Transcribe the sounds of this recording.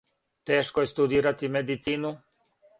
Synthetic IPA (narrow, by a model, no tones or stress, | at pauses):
t̪eːʃkojest̪ud̪iːɾat̪imed̪it̪siːnu